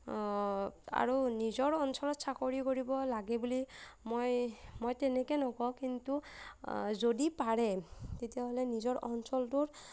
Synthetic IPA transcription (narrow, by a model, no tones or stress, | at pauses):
a̰ɹunizɔɹɔnsɔlɔtsakoɹikoɹibɔlaɡɛbulimojmojtɛnɛkɛnɔkɔwkintu | zodipaɹɛtetijaɦolɛnizɔɹʔɔnsɔltuɹ